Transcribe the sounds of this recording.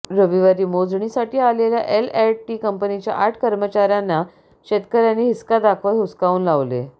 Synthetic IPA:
ɾəʋiʋaɾiːmod͡zɳ̃isaʈiːaleljaʔelɛʈʈiːkəmpənit͡ɕja̰ʔaɾʈʰkəɾmət͡ɕaɾjanːa | ɕet̪kəɾjaniːɦiskad̪akʰʋətɦuskauːnlaʋlḛ

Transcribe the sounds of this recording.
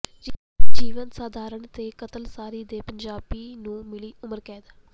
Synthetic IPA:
d͡ʒiːʋənsaːd̪ʱaːɾəɳt̪eːkət̪əlsaːɾiːd̪eːpəɲd͡ʒaːbiːnũːmɪliːʊməɾkɛ̃ːd̪aː

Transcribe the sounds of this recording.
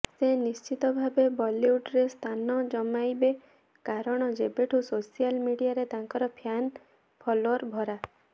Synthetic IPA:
senist͡ʃit̪ɔbʱabebɔliuɖɾest̪ʰanɔd͡ʒɔmajbe | kaɾɔɽ̃ɔd͡ʒebeʈʰusosialmiɽiaɾet̪aŋkɔɾɔpʰjan | pʰɔloɾbʱɔɾa

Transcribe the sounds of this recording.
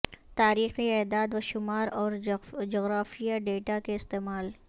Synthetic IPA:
t̪aːɾiːxiɛːd̪aːd̪waʃʊmaːɾɔːɾd͡ʒoːɣɾaːfijaɖeːʈakeɪst̪eːmaːl

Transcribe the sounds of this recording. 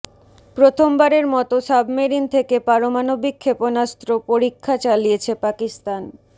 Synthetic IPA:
pɾot̪ʰombaɾeɾmɔt̪osabmeɾint̪ʰekepaɾomanobikʰːeponast̪ɾopoɾikʰːat͡ɕalijet͡ɕʰepakist̪an

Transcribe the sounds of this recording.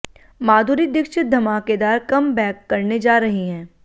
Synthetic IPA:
maːd̪ʱuːɾid̪ɪkʃɪt̪̚d̪ʱɐmaːked̪aːɾkɐmbɛːkːɐɾned͡ʒaːɾɐɦiɦɛ̃ː

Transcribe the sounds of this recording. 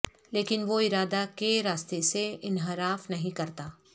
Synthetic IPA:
leːkɪnʋoɪɾaːd̪akeɾaːst̪eseɪnɦɪɾaːfnɐɦĩkɐɾt̪aː

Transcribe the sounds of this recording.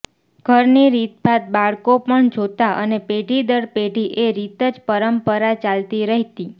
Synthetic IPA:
ɡʱəɾniɾit̪bat̪̚baɭkopəɳd͡ʒʱot̪aʔənepeɖʱid̪əɾpeɖʱiʔeɾit̪əd͡ʒpəɾəmpəɾat͡ʃalt̪iɾəɦt̪i

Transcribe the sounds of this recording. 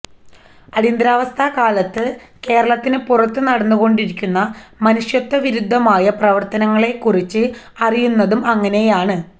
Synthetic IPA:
ɐɾind̪ɾaːʋɐst̪ʰakaːlɐt̪ːɨke̞ːɾɐɭɐt̪ːinɨpurɐt̪ːɨnɐɽɐnːuɣo̞ɳɖiɾikʲːunːɐmɐnuʂjɐt̪ːɐʋiɾud̪ʱːɐmaːjɐprɐʋɐrt̪ɐnɐŋːɐɭe̞kːurit͡ɕːɨ | ɐrijunːɐðumɐŋːɐne̞jaːɳɨ

